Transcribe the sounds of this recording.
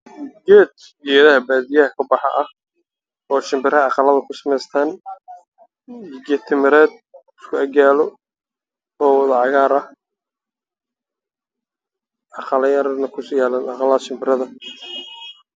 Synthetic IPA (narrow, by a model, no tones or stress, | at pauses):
ɡɛːd̪ | ɛjɐðɐɦɐbaːðijɐhɐkʰɐbɑħɑ̰ʔɐh | ɔːʃɪmbɪɾɐɑqɑlɐðɐkʰʊsɐmɛjst̪ʰaːn | jɪɡɛt̪ʰɪmɪɾɛːd̪̚ɪskʰʊɐɡaːlɔ | ɔːwɑðɐʕɑɣaːɾɐh | ʔɑqɑlɐjɐɾnɐkʰʊsjaːlaːnɑqɑlɐʃɪmbɪɾɐðɐ